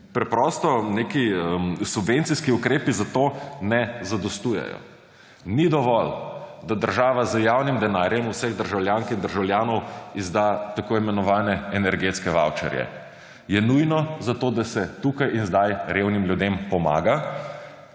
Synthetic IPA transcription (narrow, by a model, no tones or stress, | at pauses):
pɾɛpɾɔst̪ɔnekiəmsubʋent̪siskiukɾeːpizat̪onɛzad̪ɔst̪ujɛ̰jɔ̰ | nid̪ɔʋɔld̪ad̪əɾʒaːʋazəjawnimd̪ɛnaːɾjɛmusɛɣd̪əɾʒawljaːŋkind̪əɾʒawljaːnɔwizd̪at̪akoimɛnɔʋaːnɛːnɛɾɡet̪skɛʋa̰wt͡ʃɛ̰ɾjɛ̰ | jɛnujnɔzat̪oːd̪asɛt̪ukajinzd̪ajɾewnimljud̪empɔma̰ːɡa